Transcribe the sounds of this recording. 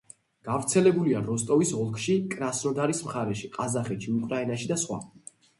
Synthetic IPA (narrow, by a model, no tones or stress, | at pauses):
ɡ̥avɾt̪sʰɛlɛbuliaɾɔst̪ʼɔvisɔlˠkʰʃikʼɾasnɔd̪aɾismχaɾɛʃiqʼazaχɛt̪ʃʰiukʼɾainaʃid̪asχwa̰